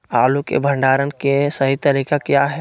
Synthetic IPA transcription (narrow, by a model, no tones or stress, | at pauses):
aːlukḛbʱə̃ɳɖaːɾənkesɐɦit̪ɐɾiːkakjaːɦɛː